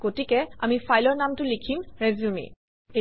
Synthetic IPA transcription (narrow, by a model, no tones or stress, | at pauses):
ɡ̥otikɛa̰mifajlɔɹnamtʊlikʰimɹɛzumḭ | e